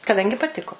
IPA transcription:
kɐˈdɐŋʲɡʲɪ pɐˈtʲɪkoː

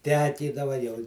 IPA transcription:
ˈtʲæːkʲiːdɐʋɐ jɛʊ

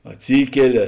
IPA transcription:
ɐtʲˈsʲiːkʲɛlʲɪ

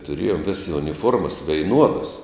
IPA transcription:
tʊˈrʲeːjoːm ˈʋʲeːsʲɪ ʊnʲɪˈfuɔrmɐs ʋʲɛɪˈnuɔdɐs

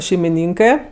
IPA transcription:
ʃʲɛɪmʲɪˈnʲiːŋkɜ

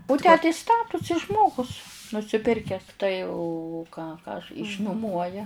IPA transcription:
ʊ ˈtʲæː tɐɪ ˈstɑːtʊsʲɪ ˈʒmoːɡʊs nʊsʲɪˈpʲɪrʲkʲɛs tɐɪ ʊ ʊ kɑː ˈkɑː ɐʃ ɪʃnʊˈmuɔjɛ

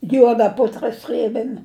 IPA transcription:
ˈjuɔdɐ ˈpʊtrɐ ˈsʲrʲeːbʲeːmʲ

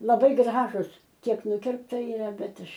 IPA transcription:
lˠɐˈbɐɪ ˈɡrɑːʒʊs ˈkʲiɛk ˈnʊkʲɪrptɐ ɪˈrɐ ˈbʲɛt ˈɐʃ

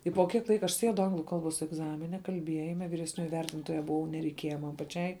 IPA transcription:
ɪ poː kʲiɛk ˈlˠɐɪkɐ ɐʃ ˈsʲiɛdʊ ˈɐŋɡlˠʊ ˈkɐlˠˌboːs ɛɡˈzɑːmʲɪnʲɛ kɐlʲˈbʲiɛjɪmʲɛ ʋʲɪrʲɛsʲˈnʲoːjɪ ˈʋʲɛrʲtʲɪntoːjɛ bʊˈʋɐʊ nʲɛrʲɛɪˈkʲiɛjɛ ˈmɐn pɐˈt͡ʃʲɛɪ

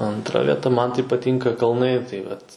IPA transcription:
ɐntˈrɐ ʋʲiɛˈtɐ ˈmɐn tɐɪ pɐˈtʲiːŋkɐ kɐlˠˈnɐɪ tɐɪ ˈʋɐt

